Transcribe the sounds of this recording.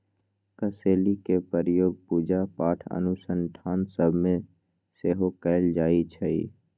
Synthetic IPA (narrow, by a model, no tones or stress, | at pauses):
kəseːlikepəɾjoːɡ̚puːd͡ʒapaːʈʰə̰nusənʈʰaːnsəbʱmẽ | seːɦokəɪld͡ʒaːit͡ʃʰɛḭ